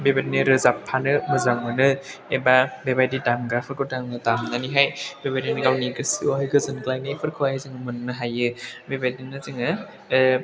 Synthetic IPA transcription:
bebadinɯɾɯzapʰːanɯmɯzaŋmɯnɯebabebajdidaŋɡaɾpʰɯɾkɯdaŋɯtamnaniɦajbebajdinɯɡawniɡɯsɯaɦɯɡɯzɯnɡlajnapʰɯɾkʰɯwajzɯŋɯmɯnɯnɯɦajɯbebajdinɯzɯŋɯ

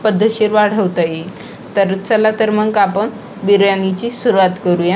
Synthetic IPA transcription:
pəd̪ʱːəɕiɾʋaɽ̤əʋt̪aji | t̪əɾt͡səlat̪əɾmənkapəɳ | biɾjanit͡ɕisuɾuʋat̪kəɾuja

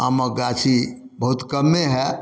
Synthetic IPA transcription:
aməɡat͡ʃʰibəɦut̪kəmːeɦɛ

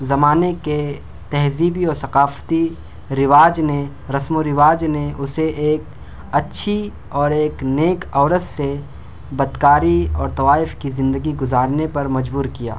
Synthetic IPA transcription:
zɐmaːneke | t̪ɛɦziːbiɔːɾsɐqaːft̪i | ɾɪʋaːd͡ʒne | ɾɐsmoɾɪʋaːd͡ʒneʊseʔeːk | ɐtːʃʰi | ɔːɾeːkneːkɔːɾəsse | bɐd̪kaːɾiɔːɾt̪ɐʋaːɪfkizɪ̃nd̪əɡiɡʊzaːɾnepɐɾmɐd͡ʒbuːɾkija̰ː

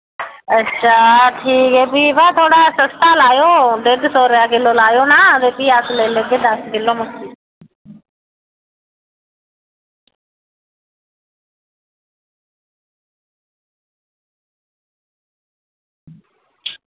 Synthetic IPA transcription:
ətːʃʰaːʈʰiːkɛːbiːʋaːt̪ʰoːɽaːsəst̪aːlaːjoːd̪eɡt̪ʰoːɾjaːɡɪloːlaːjoːnaːt̪eːp̪iːaːsleːləɡed̪aːsɡɪloːmʊtiː

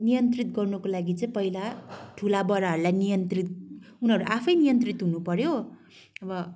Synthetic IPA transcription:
nijʌnt̪rit̪̚ɡʌrnukolaɡit͡sʌĩpʌɦilaʈʰulabʌɾaɦʌɾulajnijʌnt̪rit̪̚ | unɦʌɾuʔapʰʌjnijʌnt̪rit̪ɦunupʌɾjo | ʌbʌ

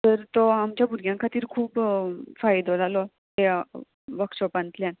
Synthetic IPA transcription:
t̪əɾt̪oamt͡ɕjabʱuɾɡjãŋkʰat̪iːɾkʰuːpfajd̪ʱod͡zʱalɔ | t̪e | ʋəkʂɔpãnt̪ljan

